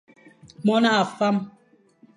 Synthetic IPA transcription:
mɔ˦na˦a˨fa˦m

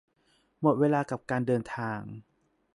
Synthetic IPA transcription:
mo˨˩t̪̚weː˧laː˧ka˨˩p̚kaː˧ndɤː˧nt̪ʰaː˧ŋ

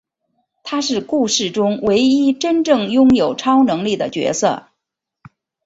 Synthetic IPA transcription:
t̪ʰa˥ʂɻ̩˥˧ku˥˧ʂɻ̩˥˩ʈ͡ʂʊ˥ŋwe˧˥ɪi˥ʈ͡ʂə˥nʈ͡ʂɤ˥˩ŋjʊ˥ŋjo˨˩ʊʈ͡ʂʰɑ˥ʊnɤ˧˥ŋli˥˩d̪ə̰˩t͡ɕɥɛ̰˧˥sɤ̰˥˩

